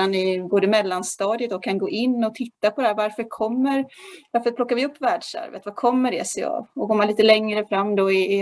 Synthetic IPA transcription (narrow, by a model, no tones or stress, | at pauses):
anɪboːd̪əmɛlːanst̪ɑːd̪ɪət̪̚d̪ɔkʰanɡoːʔɪnːɔt̪ʰɪt̪ːapʰɔd̪ɛhæɾvaɾfœɾkʰɔmːəɾvaɾfœɾplɔkːaɾvɪɵpːvæːɖʂæ̰ɾvə̰t̪vakʰɔmːəɖɛsɛ̰ːa̰vɔɡoːmanliːt̪əlɛŋɾəfɾamːd̪ɔɪɪ